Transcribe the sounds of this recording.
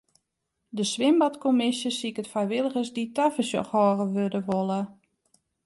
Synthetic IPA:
dəsʋɪmbatkomɪsjəsikətfrajʋɪlˠəɣəsditafəsjɔ̰xhɔːɣəʋødəʋolˠə

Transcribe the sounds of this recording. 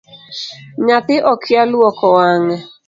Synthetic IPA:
ɲat̪ɪʔɔkʰjalwɔkɔwaŋɛ

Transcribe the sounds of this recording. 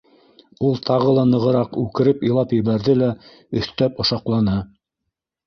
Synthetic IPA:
ulˠt̪ʰɑʁɤlˠɑnɤ̆ʁɤ̆ɾɑqʉkɘ̆ɾɘpilˠɑpjɘ̆βæɾðɘlæ | ɵ̆θt̪æpŏʃɑqlˠɑnɤ

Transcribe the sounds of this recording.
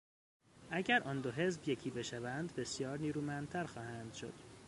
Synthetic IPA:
ʔæɟæɾʔɒːnd̪oɦe̞zbje̞cʰiːbeʃævænd̪be̞sjɒːɾniːɾuːmænd̪̚t̪ʰæɾxɒːhænd̪̥ʃo̞̰d̪̥

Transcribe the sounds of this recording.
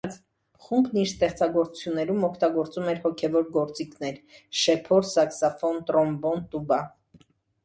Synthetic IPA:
χumbniɾst̪ɛχt͡sɑɡɔɾt͡sut͡sʰjunːɛɾumɔkʰt̪ɑɡɔɾt͡sumɛɾhɔkʰɛvɔɾɡɔɾt͡sikʰnɛɾʃɛpʰɔɾsɑksɑfɔnt̪ɾɔmbɔnt̪ubɑ

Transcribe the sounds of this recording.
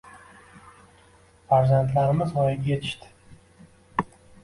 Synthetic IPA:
faɾzant̪laɾɪmɪzʁɒjɪɡʲje̞t̪ʰɪ̥ʃt̪ɪ̥

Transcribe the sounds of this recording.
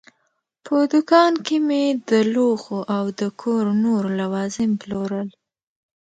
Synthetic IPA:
pʰəd̪ʊkɑnkemed̪əloxoʔawd̪əkʰoɾnoɾlawɑzɪmploɾəl

